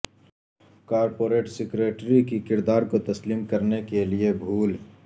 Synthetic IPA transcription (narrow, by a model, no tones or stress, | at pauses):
kaːɾpoːɾeːʈsɪkɾeːʈɾikikɪɾd̪aːɾkot̪ɐsliːmkɐɾnekeliebʱuːl